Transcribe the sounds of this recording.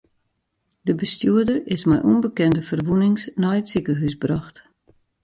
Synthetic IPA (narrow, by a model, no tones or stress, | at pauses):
dəbəstjuədərɪsmɛjʔunbəkɛndəfərʋunɪŋsnajətsikəɦysbraxt